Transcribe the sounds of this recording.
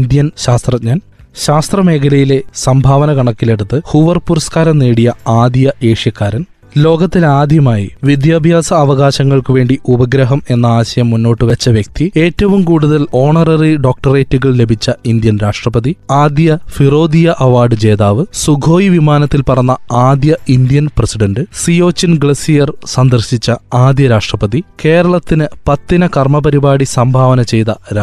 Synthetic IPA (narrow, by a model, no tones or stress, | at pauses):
nd̪jɐnɕaːst̪rɐɲaːnɕaːst̪rɐme̞ːkʰɐlɐjile̞sɐmbʱaːʋɐnɐkɐɳɐkːile̞ɽut̪ːɨhuːʋɐrpurskaːɾɐmneːɽijɐaːd̪jjɐʔe̞ːʂjɐkːaːɾɐn | lo̞ːɡɐt̪ːilaːd̪ʱjɐmaːjḭʋid̪jaːbʱjaːsɐːʋɐɣaːɕɐŋːɐɭkɨʋe̞ːɳɖiʔubɐɡɾɐɦɐme̞nːɐaːɕɐjɐmːunːo̞ːʈːɨʋɐt͡ɕːɐʋjɐk̚t̪ie̞ːtːɐʋumkuːɽuðɐlo̞ːɳɐrɐriɖo̞ːk̚ʈɐre̞ːtːuɣɐɭle̞bʱit͡ɕːɐind̪jɐnɾaːʂʈrɐpɐðiaːd̪jɐfiro̞ːd̪ijɐʔɐʋaːɖɨd͡ʑe̞ːðaːʋɨsuɡʱo̞ːjiʋimaːnɐt̪ːilpɐrɐnːɐaːd̪jɐind̪jɐnprɐsiɖɐɳɖɨsio̞ːt͡ɕːɐnɡɭesijɐrsɐnd̪ɐrɕit͡ɕːɐaːd̪jɐɾaːʂʈrɐpɐðike̞ːɾɐɭɐt̪ːinɨpɐt̪ːinɐkɐrmɐpɐɾibaːɽisɐmbʱaːʋɐnɐt͡ɕe̞jt̪ɐɾa